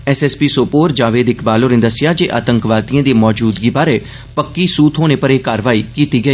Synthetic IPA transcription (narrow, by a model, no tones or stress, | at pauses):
ɛsɛːspiːsoːpoːɾd͡ʒaːʋeːd̪ɪkʰbaːloːnẽd̪əsɪjaːd͡ʒeːʔa̰ːt̪əŋkʋaːt̪iãːd̪eːmɔːd͡ʒuːd̪ɡiːbaːɾeː | pəkːiːsuːt̪ʰɦoːñeːpəɾeːkaːɾʋaːiːkiːt̪iːɡəiː